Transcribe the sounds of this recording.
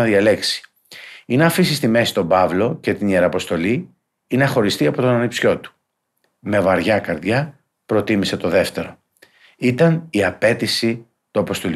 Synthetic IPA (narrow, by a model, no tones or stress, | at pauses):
ɐðiɐle̞ksi̥ | inɐfisist̪ime̞si̥t̪o̞bɐvlo̞ce̞t̪inieɾɐpo̞st̪o̞li | inɐxo̞ɾist̪iɐpot̪onɐnipsço̞t̪u̥ | me̞vɐɾʝɐkɐɾðʝɐ | pɾo̞t̪imise̞t̪o̞ðe̞ft̪e̞ɾo̞ | it̪ɐniɐpe̞t̪isi | t̪uɐpo̞st̪ol